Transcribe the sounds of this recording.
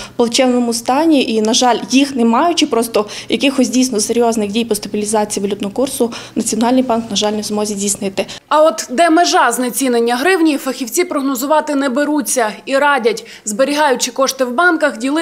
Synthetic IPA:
pɔlˠt͡ʃɛwnɔmʊst̪ɑnʲiʔinɐʒɑlʲjixnemɑjʊt͡ʃɪpɾɔst̪ɔjɐkɪxɔsʲdʲijsʲnɔseɾʲjɔznɪxdʲijpɔst̪ɐbʲilʲizɑt͡sʲijiʋɐlʲut̪nɔɦɔkursʊnɐt͡sʲiɔnɑlʲnɪjbɑnknɐʒɑlʲnɛzmɔzʲizʲdʲijsnɪt̪ɪɐɔt̪d̪ɛmeʒɑznɛt͡sʲinenʲːɐɦɾɪwnʲijifɐxʲiwt͡sʲipɾɔɦnɔzʊʋɑt̪ɪnɛbeɾut͡sʲːɐiɾɑdʲɐtʲ | zbeɾʲiɦɑjʊt͡ʃɪkɔʃt̪ɪwbɑnkɐxdʲilˠɪ

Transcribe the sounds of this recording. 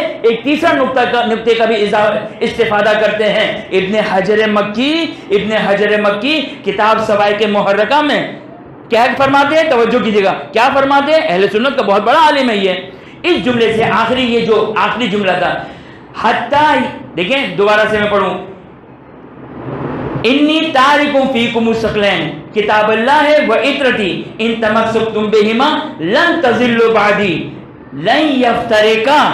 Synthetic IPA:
eːk̚t̪iːsɾanʊk̚t̪akanʊk̚t̪ekabʱiɪzaɪst̪ɪfaːd̪akɐɾt̪eɦɛ̃ɪbnehɐd͡ʒɾemɐkːiɪbneɦɐd͡ʒɾemɐkːikɪt̪aːbsɐfaːikemʊɦəɾːɪkamẽ | kjaːfɐɾmaːt̪eɦɛ̃t̪ɐʋəd͡ʒːok̬iːd͡ʒeːɡaːkjaːfɐɾmaːt̪ẽɦɛ̃ʔɛɦlesʊnːət̪̚kabɔɦʊt̪̚bɐɽaaːlɪmɦɛje | ɪsd͡ʒʊmleseʔaːxɪɾijed͡ʒoːaːxɪɾid͡ʒʊmlat̪ʰaː | hɐt̪ːaːd̪eːkʰẽd̪obaːɾasemɛ̃pɐɽũ | ɪnːiːt̪aːɾɪkʊ̃fiːkʊmʊsɐqlɛːnkɪt̪aːbɐlːaːɦeʋɐʔɪt̪ɾɐt̪iːɪ̃nt̪ɐmɐsːɐk̚t̪ʊmbɪɦɪmaːlɐ̃nt̪ɐzɪlːobaʕd̪iː | lɐ̃njɐft̪ɐɾɪka

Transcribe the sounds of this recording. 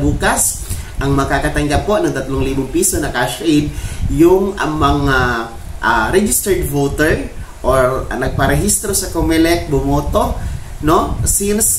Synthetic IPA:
buːkas | ʔɐŋmɐkakɐt̪ɐŋɡap̚konɐŋt̪ɐt̪loŋliːbʊŋpiːsonɐkaʃaʔɪnjʊŋʔɐ̰ŋmɐŋa | ʔaɾɛd͡ʒɪst̪ɛɹd̪vowt̪ɛɹ | ʔoɹnɐɡ̚pɐɾɛɦist̪ɾosɐkomɛlɛʔ̚bʊmoːt̪o̞nosins

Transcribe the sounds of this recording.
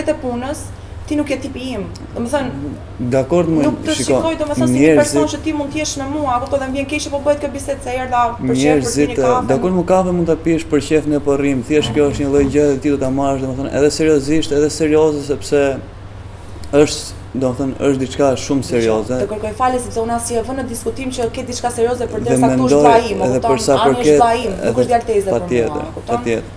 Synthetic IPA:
ɛt̪ɛpunəs | t̪inukjɛt̪ːipiim | d̪ɔmɛθən | d̪akɔɾd̪mnuk̪əʃiʃkiɔkɔjd̪ɔmɛθɔnsɲɛɾɛɾzit͡ʃɛt̪imũnd̪t̪jɛʃnəmuakɔt̪ɔðɛmvjɛnkɛʃɛpɔbəhɛt̪̚kjɔbisɛt̪sɛjɛɾðaɲɛɾzit̪ɛad̪akkɔɾd̪məkafɛmunt̪apiʃpəɾcɛfnɛpɔrimθiɛʃkjɔəʃt̪ɲəlˠəjd͡ʑɛɛt̪id̪ɔt̪amaəʃd̪ɔmɛθənɛ̰ðɛsɛɾiɔziʃt̪ɛðɛsɛɾiɔzɛsɛpsɛ | əʃt̪ | d̪ɔmɛθɔnəʃt̪d̪it͡ʃkaʃumsɛɾiɔzɛt̪əkəɾkɔjfalɛsɛpsɛunasiavənəd̪iskut̪imt͡ɕəkɛt̪̚d̪it͡ʃkasɛɾiɔzɛəɾd̪ðɛmɛnd̪ɔjimɛɛpəɾsajpəɾkɛaimɛ̰ðɛʃjalt̪ɛzɛpajɛt̪ə̰ɾut̪pat̪jɛt̪əɾ

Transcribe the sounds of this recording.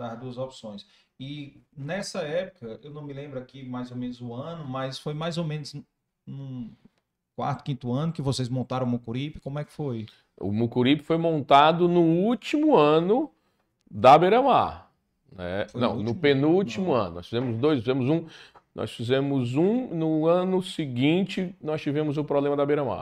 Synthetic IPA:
d̪aɾd̪uɐzopsõj̃s | ɪnɛsɐɛpʊkɐewnɐ̃w̃mɪlẽmbɾʊakimajzomẽnʊzʊɐ̃nʊmɐjsfojmajzomẽnʊz | nũ | kwa̰ɾt̪ʊ̥kĩnt̪ʊɐ̃nʊkɪvosezmõnt̪aɾɐ̃mukuɾipɪ̥kõmʊɛkɪ̥foj | ʊ̰mukuɾipɪ̥fojmõnt̪ad̪ʊnʊut͡ʃimʊɐ̃nʊ | d̪ɐbeɾɐ̃ma̰ɾ | nɛ̰fnɐ̰̃w̃nʊpẽnuwt͡ʃimʊɐ̰̃nʊnɔ̰sfizẽmʊzd̪ojsfizẽmʊzũnɔ̰sfizẽmʊzũnʊɐ̃nʊsɪɡĩnt͡ʃɪnɔst͡ʃivẽmʊzʊpɾoblẽmɐd̪ɐbeɾɐ̃ma̰

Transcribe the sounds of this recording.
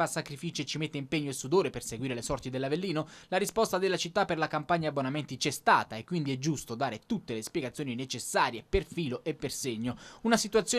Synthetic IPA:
asːakɾifiːt͡ʃet͡ʃimet̪ːeimpeɲːoesːud̪oːɾeperseɡwiːɾelesɔrt̪id̪elːavelːiːnolaɾispɔst̪ad̪elːat͡ʃit̪ːapːerlakampaɲːabːonamɛnt̪it͡ʃɛst̪a̰ːt̪aekːwind̪iɛd͡ʒːust̪od̪aːɾet̪ut̪ːelespjeɡat̪sjoːninet͡ʃesːaːɾjeperfiːloʔepːerseɲːounasit̪uat̪sːjoː

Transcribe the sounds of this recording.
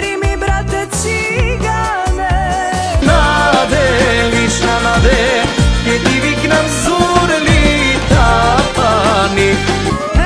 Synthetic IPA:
ɾimibɾat̪ɛt͡ʃi | ɡa | nɛ | nad̪ɛlisnanad̪ɛkɛt̪iviknamzuɾlit̪apani

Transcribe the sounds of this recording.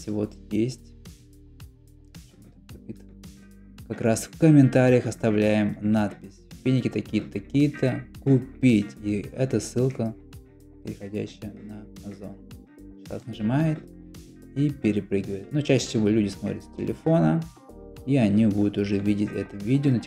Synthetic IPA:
sʲvo̞t̪jesʲtʲ | ot̪ɐpʲit̪əv | kɐkɾasfkəmʲɪnt̪aɾʲɪjəxɐst̪ɐvlʲæjɪmnat̪pʲɪsʲpʲinʲɪkʲɪt̪ɐkʲijt̪ət̪ɐkʲijət̪əkʊpʲitʲiɛt̪əsɨlˠkə | pʲɪɾʲɪxɐdʲæ̰ɕːɪjənəmazon | t̪a̰t̪nəʐɨmajɪt̪ | ipʲɪɾʲɪpɾɨɡʲɪvəjɪt̪nut͡ɕæɕːə̥sʲɪvo̞lʲudʲɪsmot̪ɾʲɪt̪sʲtʲɪlʲʔɪ̰fo̞nə | iɐnʲibud̪ʊt̪ʊʐɛvʲidʲɪtʲɛ̰t̪ʊvʲidʲɪonə

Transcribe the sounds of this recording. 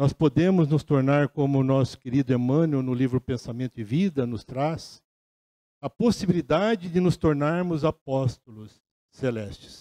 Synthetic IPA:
nɔspod̪ẽmʊznʊst̪oɾnaɾkõmʊnɔsʊ̥keɾid̪ʊemɐ̃nʊnʊlivɾʊpẽsamẽnt̪ʊɪvid̪ɐnʊst̪ɾas | ɐposibilid̪ad͡ʒɪd̪ɪnʊst̪oɾnaɾmʊzapɔst̪ʊlʊsː | elɛst͡ʃɪ̥s

